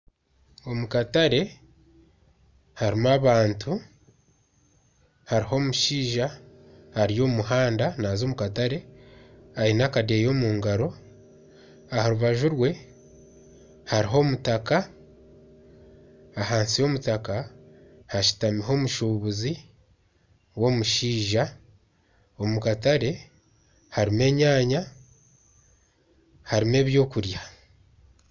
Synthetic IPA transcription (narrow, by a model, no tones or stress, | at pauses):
o̞mukataɾe̞ | haɾimaβaːntʰu | haɾiho̞ːmuʃiːʒa | haɾijo̞ːmuhaːndanaːzo̞ːmukataɾe̞ | ainakadejo̞ːmuːŋɡaɾo̞ | ahaɾuβaʒuɾwe̞ | haɾiɦo̞mutaka | ɦaːnsio̞mutaka | haʃi̥tamiɦo̞ːmuʃuːβuzi | wo̞muʃiːʒa | omukataɾe̞ | haɾime̞ːɲaːɲa | haɾime̞ːβjo̞ːkuɾja